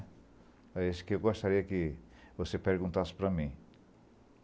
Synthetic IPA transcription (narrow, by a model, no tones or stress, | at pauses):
eskewɡɔst̪aɾiɐkiʋosepeɾɡũnt̪aspɾamĩ